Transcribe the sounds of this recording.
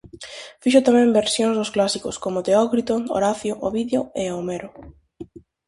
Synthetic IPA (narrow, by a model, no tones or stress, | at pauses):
fiʃ̬ʊt̪amɛ̃mbeɾsjõŋzðʊsklasikʊskomʊt̪eɔkɾit̪oo̰ɾaθjoʔoβiðeoeomeɾʊ